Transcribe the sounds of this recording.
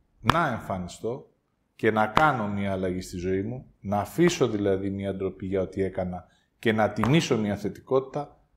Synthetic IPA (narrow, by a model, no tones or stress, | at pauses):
nɐe̞ɱfɐnist̪o̞ | ce̞nɐkɐno̞miɐːlɐʝist̪izo̞imu | nɐːfiso̞ðilɐðimiɐɐnd̪ɾo̞piʝɐo̞t̪ie̞kɐnɐ | ce̞nɐt̪imiso̞miɐθe̞t̪i̥ko̞t̪i̥t̪ɐ